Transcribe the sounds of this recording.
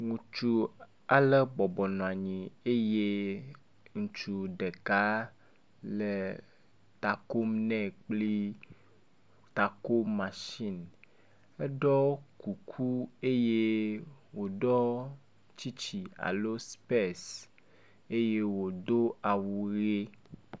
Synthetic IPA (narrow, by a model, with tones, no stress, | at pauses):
ŋũ˨t͡ʃu˦ | a˨le˦bɔ˨bɔ˨nɔ̃˨a˨ɲĩ˨e˦je˦ | ŋũ˨t͡ʃu˨ɖe˨ka˦ | le˨ | t̪a˨ko˦mnɛ̃˦˨k͡pli˦ | t̪a˨ko˦mã˨ʃi˦˨n | e˦ɖɔ˦ku˨kʰu˦e˦je˦wo˨ɖɔ˦ | t͡ɕi˦t͡ɕi˨a̰˨lo˦spe˦˨s | e˦je˦wo˨d̪o˦a˨wu˨ɣe˦